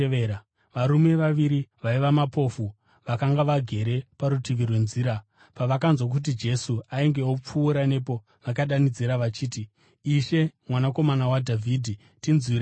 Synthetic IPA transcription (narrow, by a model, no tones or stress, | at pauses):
eɾa | ʋaɾume̞ʋaʋiɾiʋaiʋamapo̞fu | ʋakaŋɡaʋaɡʱe̞ɾe̞paɾutiʋirwe̞nziːɾa | paʋakanzwak̬ut̬id͡ʒe̞suaiŋɡe̞op͡fuːɾane̞po̞ | ʋakaɗanid͡ziɾaʋat͡ʃiːtiː | ʃe̞mwanako̞manawadʱavʱiːdʱi | tinziɾe